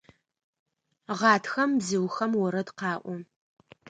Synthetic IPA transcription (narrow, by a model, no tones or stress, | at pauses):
ʁɑːtʰxɐmbzɨwxɐmwɔɾɐdqɑːʔʷɔ